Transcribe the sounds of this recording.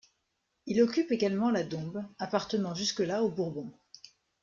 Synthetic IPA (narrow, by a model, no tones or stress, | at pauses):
ilɔkʲypeɡalmɑ̃lad̪ɔ̃bapaʁt̪ənɑ̃ʒyskəlaobuʁbɔ̃